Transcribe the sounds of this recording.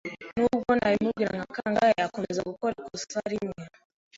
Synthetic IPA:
muɡɔnaimuɡiɾa̰ŋakaŋɡaakumɛzakukɔɾikusaɾiɲa

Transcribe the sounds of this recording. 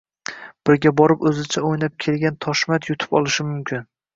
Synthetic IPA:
b̥ɪɾɡʲabɒɾɪpɵzɪt͡ʃʰaojnap̚kʲʰe̞lɡʲant̪ʰɒʃmat̪jʊt̪ʰɪ̥pɒ̰lˠɪʃɪmʊmkʲʰɪn

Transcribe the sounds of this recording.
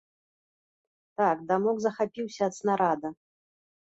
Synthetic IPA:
t̪akd̪amɔɡzɐxapʲiwsʲɐːt̪snaɾad̪ɐ

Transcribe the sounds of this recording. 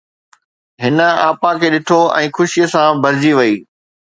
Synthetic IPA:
ɦɪnə̆aːpãkʰeːɗɪʈʰoɛ̰̃ːxʊʃijəsãbʱɐɾɪd͡ʑiʋɐiː

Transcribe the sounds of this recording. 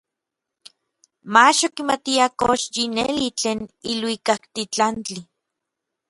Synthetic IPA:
maʃokimat̪iakoʃjinelit͡ɬeːnilwikakt̪it͡ɬant͡ɬi

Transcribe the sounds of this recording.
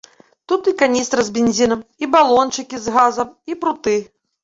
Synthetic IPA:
t̪ut̪ikanʲist̪ɾɐzbʲenʲzʲinɐmibalˠɔnt͡ʂɨkʲizɣazɐmipɾut̪ɨ

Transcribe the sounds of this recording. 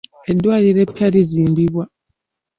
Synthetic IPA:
edːwaːliɾepːaɾiziːmbiβwa

